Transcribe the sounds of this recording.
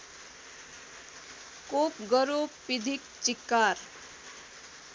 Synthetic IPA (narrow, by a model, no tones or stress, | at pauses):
kopɡʌɾopid̪ʱik̚t͡ʃikːaɾ